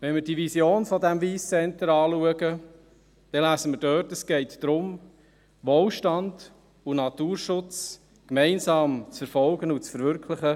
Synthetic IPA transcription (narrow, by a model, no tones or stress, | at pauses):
ʋɛnmɪɾdiʋisjoːnfɔdæmviːst͡sɛntəɾɑːluəɡə | d̥ɛlæːsəməɾdœrtəsɡ̥ɛɪtd̥ɾʊm | ʋoːlʃtɑnd̥ | unɑt̪uːɾʃʊt͡s | kmɛɪnsɑːmt͡sfɛɾfɔlɡənʊt͡sfəɾʋʏɾkʰlɪχə